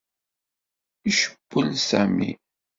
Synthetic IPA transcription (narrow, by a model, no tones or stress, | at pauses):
iʃə̥b̥ːəlsæmḭ